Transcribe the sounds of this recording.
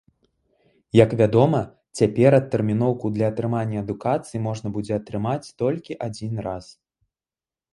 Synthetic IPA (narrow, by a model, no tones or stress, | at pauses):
jɐkvʲad̪ɔmɐ | t͡sʲapʲɛɾɐt̪ːɛrmʲinɔwkud̪lʲɐɐt̪ɾɨmanʲːɐɐd̪ukat̪sɨjimɔʐnɐbud͡zʲɛɐt̪ɾɨmat͡sʲt̪ɔlʲkʲiʔad͡zʲinras